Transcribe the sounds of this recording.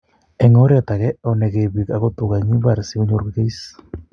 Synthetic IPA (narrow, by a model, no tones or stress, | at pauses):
eŋoɾeat̪aɣeoneɣiβikaɣot̪uɣajɲiβaɾsiɣuɲuɾɣɣijs